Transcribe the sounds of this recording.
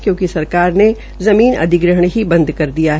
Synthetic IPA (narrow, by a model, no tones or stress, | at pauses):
kjõːkisɐɾkaːɾne | zɐmiːnɐ̰d̪ʱɪɡɾəɦəɳɦibɐ̃nd̪kɐɾd̪ijaɦ